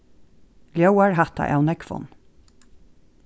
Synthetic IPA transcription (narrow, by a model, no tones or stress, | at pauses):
ljœwaɹɦat̪a̰ʔɛwnɛkfɔ̰n